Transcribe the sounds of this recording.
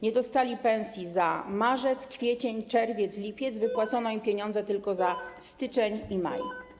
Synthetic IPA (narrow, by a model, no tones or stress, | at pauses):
ɲɛd̪ɔst̪alʲipɛ̃w̃sʲjizamaʐɛt̪skfʲjɛt͡ɕɛɲt͡ʂɛɾvʲjɛt̪slʲipʲjɛt̪zvɘpwat̪sɔnɔimpʲjeɲɔnd̪zɛt̪ɘlkɔzast̪ɘt͡ʂɛɲima̰j